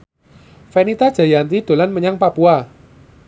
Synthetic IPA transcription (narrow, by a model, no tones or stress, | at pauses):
fenit̪ad̥ʒ̥a̤jant̪id̪̥o̤lanməɲaŋpapua